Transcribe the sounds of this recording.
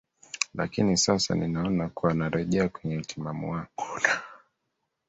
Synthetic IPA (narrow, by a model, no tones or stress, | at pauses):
la̰kinisasa̰ninaɔnakuwanaɾɛʄɛakwɛɲɛm̩timamṵwaŋɡɔna